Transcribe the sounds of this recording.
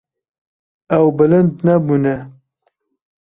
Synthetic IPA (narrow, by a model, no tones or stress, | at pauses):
ɛwbɨlɨnd̪nɛbuːnɛ